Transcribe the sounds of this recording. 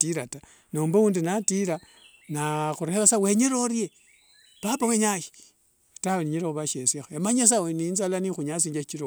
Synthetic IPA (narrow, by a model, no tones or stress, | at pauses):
tiɾata | noːmbouːndinatiɾa | naxuɾeβasaweɲeɾoɾie | papaweɲaji̥ | taweniɲeɾoxuβaʃesixaemaɲes̬aweninzalanixuɲas̬iːɲd͡ʒat͡ʃiɾo